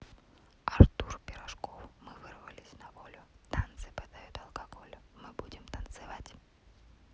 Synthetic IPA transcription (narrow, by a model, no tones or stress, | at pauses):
ɐrt̪urpʲɪɾɐʂkofmɨvɨrvəlʲɪsʲnɐvolʲʊt̪ant̪sɨpɨd̪ajʊt̪ɐlˠkɐɡo̞lʲʊmɨbudʲɪmt̪ənt̪sɨvatʲ